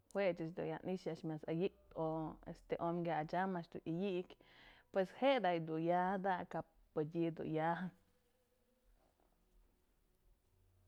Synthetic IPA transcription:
hwet͡ʃɨt͡ʃd̪ṵjaniʃjaʃmjasa̰jiʔt̪oḛst̪eʔomɡjaat͡ʃamaʃd̪uʔijiʔkpweshed̪ajd̪ujahd̪akapːɨd̪ʲid̪ṵjahn

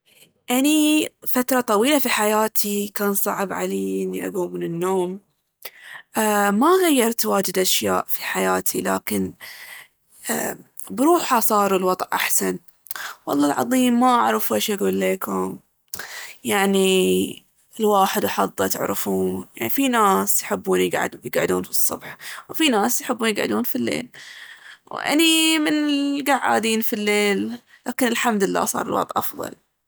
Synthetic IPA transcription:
ʔanifat̪ɾˤɑt̪ˤɑwiːlafiħajaːt̪ʰikaːnsˤɑ̰ʕbʕa̰leːʔɪnːiʔa̰ɡuːmɪnɪnːoːm | ʔamaɣajːɑɾˤt̪waːd͡ʒɪd̪ʔaʃja̰ːʔfiħajaːt̪ʰila̰ːkɪn | bɾuːħasˤɑːɾˤɪlwɑd̪ˤʔʔaħsan | wɑ̰lˤːɑːlʕɑ̰ðˤiːmːaʔaʕɾɪfuʔaʃʔaɡuːlːeːkʊm | jaʕni | ɪlwaːħɪd̪ħɑðˤːɑt̪ɪ̰ʕɾɪfuːnja̰ʕnifinaːsjħɪbːuːnjɪɡʕ̰d̪jɪɡʕɪ̰d̪uːnfi̥sˤːʊbħwfinaːsjħɪbːuːnjɪɡʕɪ̰d̪uːnfilːḛːl | wʔa̰nimɪnɪɡaʕːa̰ːd̪iːnfilːeːl | laːkɪnɪlħamd̪ɪlːa̰ːsˤɑ̰ːɾˤɪ̰lwɑ̰t̪ˤʔʔɑ̰fðˤɑ̰l

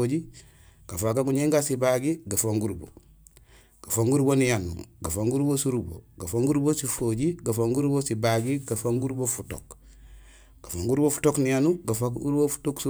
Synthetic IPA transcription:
od͡ʒi | ɡ̥afakaɡuɲeŋɡasibaɡiɡafoŋɡuɾbo̰ | ɡ̥afoŋɡuɾbonijanṵɡafoŋɡuɾbosuɾubo̰ɡafoŋɡuɾbosifoɟiɡafoŋɡuɾbosibaɡiɡafaŋɡuɾbofuto̰k | ɡ̥afoŋɡuɾbofu̥toknijanuɡafakuɾbofu̥toksu

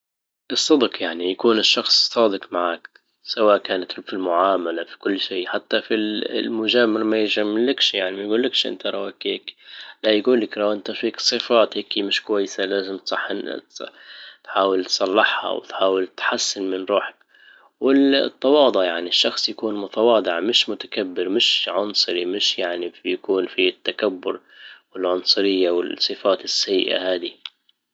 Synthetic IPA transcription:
ʔɨsˤːɑd̪qjaʕnijakuːnɪʃːɑxsˤsˤɑːd̪ɪqmaʕaːk | sawaːʔkaːnat̪filmʊʕaːmalafi̥kʊlːʃiːħat̪ːafillmʊd͡ʒaːmɪɾmajɪʒamɪlːɪkʃjaʕnimajɡuːlːɪkʃʔɪ̰nt̪aɾˤɑwakeːklajɡuːlːɪkɾˤɑwʔɪnt̪afiːksˤɨfaːt̪heːkimɪʃkwajːɪsalaːzɪmt̪sˤɑħːɪn̰t̪t̪ħaːwɪlt̪sˤɑlːɪħhɑ̰wɪ̰t̪ħaːwɪlt̪ħasːɪnmɪnɾˤuːħḁk | wɪt̪ˤːɑwɑːd̪ˤʊʔjaʕniʃːɑxsˤjakuːnmʊt̪awɑːd̪ˤɪʕmɪʃmʊt̪ḁkabːɪɾmɪʃʕʊnsˤɨɾimɪʃjaʕnijakuːnfit̪ːakabːʊɾwɪlʕʊnsˤʊɾɪjːawɪ̰sˤːɨfaːt̪ɪsːaj̰ːʔa̰haːd̪i

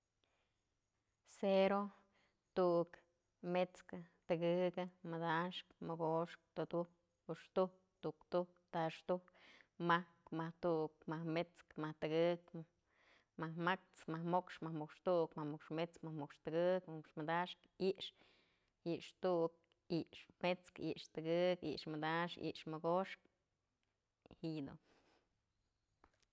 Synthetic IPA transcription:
seɾo | t̪uʔk | met͡skɨt̪ɨɡɨkɨmɨd̪aʂkmɨɡoʂk̚t̪od̪uk | uʂt̪uk̚t̪uʔkt̪ukt̪aʂt̪ukmahkmaht̪uʔk̚mahmet͡skmaht̪ɨɡɨk | mahmak̚t͡smahmokʂmahmukʂt̪uʔkmahmukʂmet͡skmahmukʂt̪ɨɡɨkmukʂmɨd̪aʂkiʔʂ | iʔʂt̪uʔk̚ | iʔʂmet͡skḭʔʂt̪ɨɡɨkḭʔʂmɨd̪aʂḭʔʂmɨɡoʂk | hid̪o̰

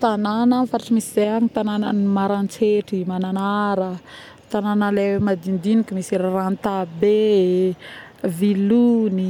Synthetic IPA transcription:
t̪anananfaɾaʈ͡ʂimisizeaɲit̪anananimaɾant͡seʈ͡ʂimananaɾə | t̪ananəlewemad̪ind̪inikəmisiɾaranit̪abe | viluni

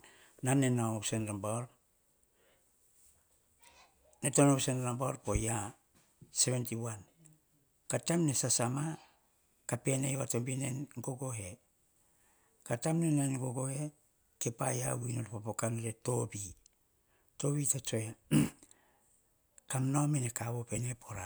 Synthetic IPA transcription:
nanenaosenlambaoɾ | netonowsenlambaoɾpoja | se̞βentiwan | katamne̞sasama | kape̞najwato̞mbinenɡo̞ɡo̞ɦe̞ | katamnenanɡoɡo̞he̞ | kepaja̰winoɾpopokanoɾeto̞bi | to̞bitat͡ʃoa | kamnomenekaβope̞nepʰoɾa

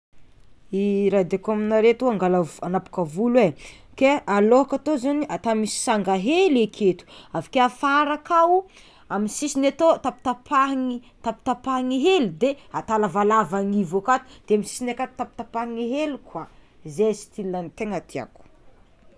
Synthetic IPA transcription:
iɾad̪akaminaɾet̪uaŋɡalavanapu̥kavulwekealoɦakat̪ozaniʔat̪amisi̥saŋɡaɦelekʰet̪u̥avḁkeafaɾakawu | aminsisinat̪ot̪api̥t̪apʰaɦŋi | t̪api̥t̪apaŋiɦelud̪eat̪alavalavaŋivokat̪u̥d̪̥eamisi̥sinakat̪u̥t̪apit̪apaŋiɦelikwa | zesi̥t̪ilnant̪eŋat̪ʰia̰ku̥

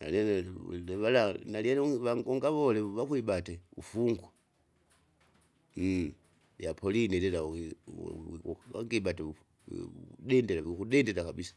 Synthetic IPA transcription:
na̰leleβalanaljalβaŋɡoŋɡaβoleβakwiɓateṵfuŋɡwa | ljapʰolinilila | a̰ŋɡiɓatḛ | dendelaβikuɗendeɾakaβisḁ

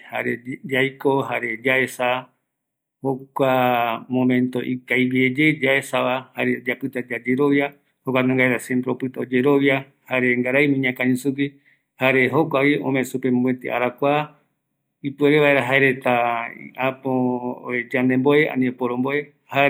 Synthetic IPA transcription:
ha̰ɾed͡ʒajkoɦaɾed͡ʒaesa | hokʷamõmẽnt̪o̞ʔikajβied͡ʒed͡ʒaesaβahaɾed͡ʒapɨt̪ad͡ʒad͡ʒeɾoβja | hokʷanãŋɡaeɾasempɾeopɨt̪aod͡ʒeɾoβja | haɾeŋɡaɾajmĩɲãkãɲĩsuki | haɾeɦokʷaβiõ̰mesupemet̪ḛʔa̰ɾakʷa | ipueɾeβaeɾaɦaeɾe̞t̪aḭʔapoed͡ʒand̪emboeʔã̰nĩopoɾõmboe | ha

